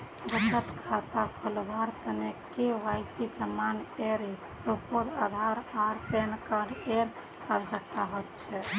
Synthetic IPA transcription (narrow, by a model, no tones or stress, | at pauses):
bət͡ʃət̪kʰat̪akʰold̪ʱaɾt̪ənekeʋajsikəmaneɾ | ɾopoɾad̪ʱaɾaɾpenkaɾɖeɾ | əɾd͡ʒəkʰaɦot̪t͡ʃʰɛ